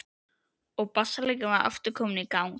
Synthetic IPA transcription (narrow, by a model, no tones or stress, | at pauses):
ɔɣpasːaleːjkʏvaɾœ̰ft̪ʏɾkʰɔːmʏnikawŋ